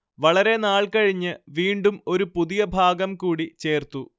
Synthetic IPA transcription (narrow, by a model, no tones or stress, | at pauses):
ʋɐɭɐɾe̞naːɭkɐɻiɲːɨʋiːɳɖumo̞ɾupuðijɐbʱaːɡɐmkuːɽit͡ɕe̞ːrt̪u